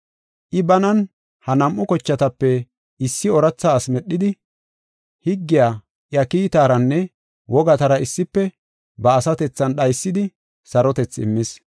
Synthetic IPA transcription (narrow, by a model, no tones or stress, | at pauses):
ʔɪbɐnɐn | hɐnɐmʔʊkɔt͡ʃːɐt̪ɐpːɛ | ɪsːɪɔɾɐt͡sːaːsmɛɗːɪd̪ɪ | hɪɡːɪjaː | ʔjɐkiːt̪aːɾɐnːɛ | wʔɔɡɐt̪ɐɾɐɪsːɪpːɛ | bɐːsɐt̪ɛt͡sːɐnɗɐjsːɪd̪ɪ | sɐɾɔt̪ɛt͡sːɪ̰mːɪs